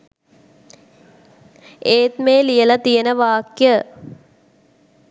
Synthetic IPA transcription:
eːt̪meːlijəlɐt̪ijənəʋaːkjə

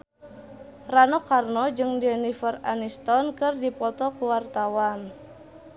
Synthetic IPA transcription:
ranɔkarnɔd͡ʒɨŋdɛnifəra̰nist̪ɔnkɨrdipɔt̪ɔkuwart̪awan

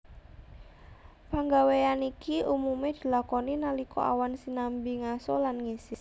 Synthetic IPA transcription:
paŋɡaweanikiʔumumed̪̥i̤lakɔninalikɔ̰ʔa̰wansinambiŋasɔlanŋisɪs

